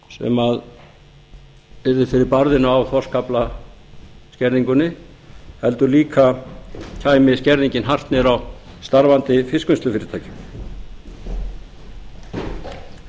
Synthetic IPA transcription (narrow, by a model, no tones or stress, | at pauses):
sɛ̰mað | ɛɾðɪfɪɾɪɾpaɾðɪnʏawθɔr̥skapla | scɛɾðiŋkʏnːɪ | hɛl̪t̪ʏliːkʰacʰaːjmɪscɛɾðiɲcɪnɦar̥t̪nɛɾawst̪aɾvant̪ɪfɪskʏnst̪ʏfːɾɪ̥t̪ʰaːjcɪ̥